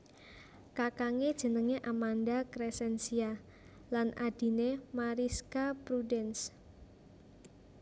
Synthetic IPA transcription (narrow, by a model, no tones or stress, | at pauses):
kakaŋed̥ʒ̥ə̤nəŋeʔamandakɾesɛnsia | lanʔad̥i̤nemaɾiskapɾudɛns